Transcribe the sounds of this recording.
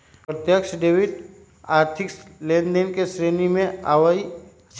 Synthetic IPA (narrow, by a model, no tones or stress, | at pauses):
pət̪jəkʃəɖeːwit̪ | aːɾt̪ʰɪklẽːnɖenkesɾeːnimẽa̰ːʋai